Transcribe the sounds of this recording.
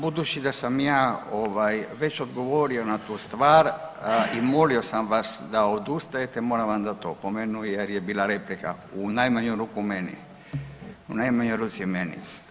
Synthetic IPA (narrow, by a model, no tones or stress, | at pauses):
bud̪ut͡ʃid̪asamjaːoʋajʋe̞t͡ɕo̞d̪ɡo̞ʋoɾio̞nat̪uːst̪ʋaːɾimo̞lio̞samʋasd̪aod̪ust̪ajet̪ɛmoɾaʋamd̪at̪o̰pomenujeɾjebiːlaɾeplika̰unajmaɲuɾukumenḭ | unajmaɲojɾuːt̪siimenḭ